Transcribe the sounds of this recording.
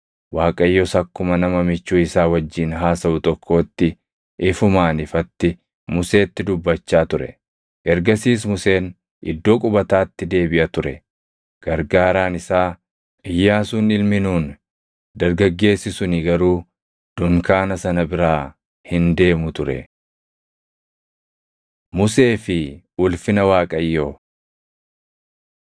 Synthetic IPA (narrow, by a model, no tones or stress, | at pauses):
waːkʼɐjːɔsɐkːʊmɐnɐmɐmɪt͡ʃːuːɪsaːwɐd͡ʒːiːnɦaːsɐʔʊt̪ʼɔkʰːo̞ːt̪ːɪ | ʔɪfʊmaːnɪfɐt̪ːɪ | mʊse̞ːt̪ːɪd̪ʊbːɐt͡ʃːaːt̪ʊɾɛ̰ | ʔɛɾɡɐsiːs̬mʊse̞ːn | ʔɪ̰d̪ːo̞ːkʼʊbɐt̪aːt̪ːɪd̪e̞ːbɪʔɐt̪ʊɾɛ | ɡ̥ɐɾɡaːɾaːnɪsaː | ʔɪjːaːsuːnɪlmɪnuːn | d̪ɐɾɡɐɡːe̞ːsɪsʊnɪɡɐɾuː | d̪̥ʊŋkaːnɐsɐnɐbɪɾaː | hɪnd̪e̞ːmʊt̪ʊɾɛ̰ | mʊse̞ːfɪ | ʊlfɪnɐwaːkʼɐjːoː